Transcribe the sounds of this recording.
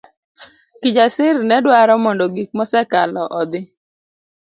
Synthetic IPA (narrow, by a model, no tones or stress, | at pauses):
kɪd͡ʒasɪrnɛdwaɾɔmɔndɔɡik̚mɔsɛkalɔʔɔd̪ɪ